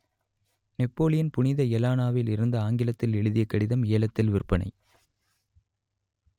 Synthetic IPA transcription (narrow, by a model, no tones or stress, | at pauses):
nɛpːoːlɪjɐnpʊɳɪðɐɛlaːnaːʋɪlɪɾɯnd̪ɐaːŋɡɪlɐt̪ːɪlɛɭɯðɪjɐkːɐɽɪðɐmeːlɐt̪ːɪlʋɪrpːɐɳɐ̰ɪ